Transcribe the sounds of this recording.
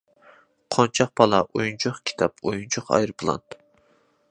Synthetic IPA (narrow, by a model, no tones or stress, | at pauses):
qʰont͡ʃʰɑq̚pʰɑlˠɑʔojunt͡ʃʰʊχkʲʰi̥t̪ʰɑpʰojunt͡ʃʰʊqɑ̰jɾpʰɨlˠɑ̰nt̪